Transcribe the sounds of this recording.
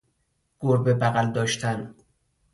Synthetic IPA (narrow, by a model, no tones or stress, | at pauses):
ɡ̥oɾbebæɣæld̪ɒːʃt̪ʰæn